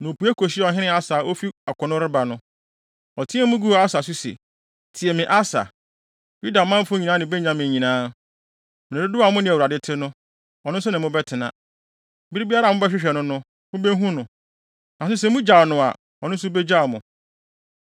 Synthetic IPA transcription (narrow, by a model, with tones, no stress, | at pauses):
nʊ̃˨o˨pʰu˨˦ɛ˦kʰo˨ɕi˦ɔ˨ɦɪ̃˦nɪ̃˦a˦saː˨ʔo˦fi˦a˨kʰʷʊ˨nʊ̃˦ɾɪ˦ba˨nʊ̃˦ | ɔ˨tʰĩ˦ɛ˦mʊ̃˦ɡu˦˨a˦sa˨s̬ʊ˦sḛ˨ | tʰi˨ɛ˨mɪ̃˨ʔa˦sa̰˨ | ju˦da˨mã˦m̩˦fʊ˦ɲi˨nã˦nɪ̃˨bɛ˦ɲã˦mɪ̃˨ɲĩ˨nãː˦ | mɪ̃˨nɪ̃˨ʊ˦dʊ˦a˨˦mʊ̃˦nɪ̃˨u˨ɾa˨dɪ˦tʰɪ˦nʊ̃˦ | ɔ˨nʊ̃˦n̩˦s̬ʊ˦nɪ̃˨mʊ̃˦bɛ˦tʰɪ˨nã̰˦˨ | bi˦ɾi˦bi˦a˦ɾa˨m˦ʊ̃˦bɛ˦ɕᶣɪ˦ɕᶣɛ˨nʊ̃˦nʊ̃˦ | mʊ̃˦bɛ˦ɦũ˦nʊ̃˨ | nã˨sʊ˦s̬ɛ˨mʊ̃˦d͡ʑa˨wnʊ̃˨a̰˨ | ɔ̰˨nʊ̃˦s̬ʊ˦bɛ˦d͡ʑa˦˨wmʊ̃˨